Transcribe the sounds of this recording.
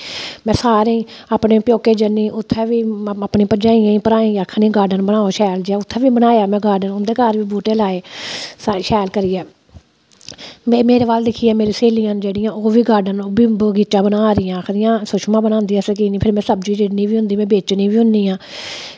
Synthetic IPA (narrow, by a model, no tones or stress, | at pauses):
mɛ̃ːsaːɾẽːaːpneːpjoːkeːd͡ʒənːĩːʔʊt̪ʰːɛːʋiːapniːpəd͡ʒãːijãːĩːpəɾaːĩːaːkʰːnĩːɡaːɾɖənbənaːoːʃɛːld͡ʒaːʊt̪ʰːɛ̃ːʋiːbənaːjaːmɛ̃ːɡaːɾɖənʊnd̪eːkaːɾʋiːbuːʈeːlaːeːsaːʃɛːlkəɾiːɛː | meːmeːɾeːbaːld̪ɪkʰːiːɛːmeːɾiːseːliːjãːnd͡ʒeːɽɪjãːoːʋiːɡaːɾɖənoːbiːbəɡiːt͡ʃãːbənãːɾɪjãːkʰɾijãːsʊʃmãːbənãːnd̪iːãːsək̬iːnĩːpʰɪɾmɛ̃ːsəbd͡ʒiːd͡ʒɪnĩːʋiːɦʊ̃nd̪iːmɛ̃ːbeːt͡ʃnĩːʋiːɦʊ̃nd̪iːãː